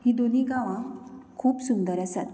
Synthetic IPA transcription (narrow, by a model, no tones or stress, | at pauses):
ɦiːd̪on̤iːɡãʋãkʰuːpsund̪əɾasat̪